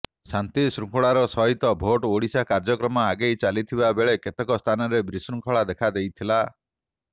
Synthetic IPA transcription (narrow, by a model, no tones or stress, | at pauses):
sant̪isɾuŋkʰɔɭaɾɔsɔɦit̪ɔbʱoʈoɽisakaɾd͡ʒɔkɾɔmɔaɡejt͡ʃalit̪ʰibabeɭeket̪ekɔst̪ʰanɔɾebɾisɾuŋkʰɔɭad̪ekʰad̪ejt̪ʰila